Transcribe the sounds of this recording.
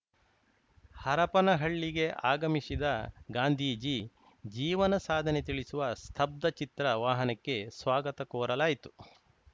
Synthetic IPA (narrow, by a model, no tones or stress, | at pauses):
hɐɾɐpɐnɐɦɐɭːiɡe̞ʔaːɡɐmisid̪ɐɡaːnd̪ʱiːd͡ʒi | d͡ʒiːʋɐnɐsaːd̪ʱɐnet̪iɭisuʋɐst̪ʰɐb̚d̪ɐt͡ʃit̪ɾɐʋaːɦɐnɐkːe̞sʋaːɡɐt̪ɐkɔːɾɐlaːjit̪u̥